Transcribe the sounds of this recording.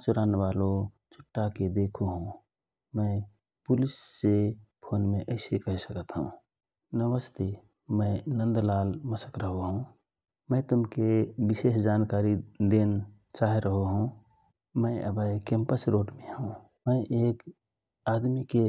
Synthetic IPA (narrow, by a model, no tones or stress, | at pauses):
t͡ʃʊɾaːneʋaːlo | t͡ʃʰʊ̥ʈːaked̪eːkʰoɦũ | mə̃ | pʊlɪsːepʰoːnmẽʔəɪsekəɦsəkət̪ɦṵ̃ | nəʋəst̪e | mə̃ɪnə̃nd̪laːlməsəkɾəɦoɦũ | mə̃t̪ʊmkebɪseːsd͡ʒaːnkaːɾid̪eːn | t͡ʃaːɦeɾəɦoɦũ | mə̃ɪə̰bʱəkẽːmpəsɾoːʈmẽɦũ | mə̃ʔeːk | aːd̪mike